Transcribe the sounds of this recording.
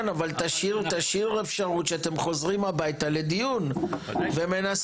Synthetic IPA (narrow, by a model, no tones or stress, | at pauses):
navalt̪aʃiʁt̪aʃiʁefʃaʁut̪ʃeat̪e̞mχo̞zʁimabajt̪ale̞d̪ijunvemenas